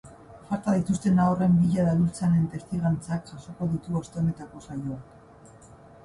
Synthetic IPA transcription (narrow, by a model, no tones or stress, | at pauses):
faɾt̪aðit̪ust̪e̞nawre̞mbiʎaðalult͡sane̞nt̪e̞st̪iɣant͡sakʝaso̞ko̞ðut̪uast̪eone̞t̪ako̞sajo̞ak